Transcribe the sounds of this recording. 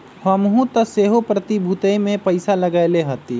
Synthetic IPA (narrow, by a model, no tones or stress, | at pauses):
həmɦũt̪əseɦopɾət̪ibʱut̪əjmẽpəɪsaləɡaɪleɦət̪i